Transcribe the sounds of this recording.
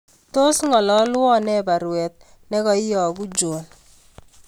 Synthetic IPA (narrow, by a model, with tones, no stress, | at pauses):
to˦sŋɔ˨lɔ˦lɔ˦nɛ˦ba˨ɾwɛ˨t̚ | nɛ˦kɔ˨i˦jɔ˨ɡu˦d͡ʒo˨n